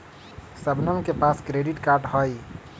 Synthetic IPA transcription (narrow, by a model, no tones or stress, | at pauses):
səbnəmkepaskɾeɖiʈkaɾɖɦəj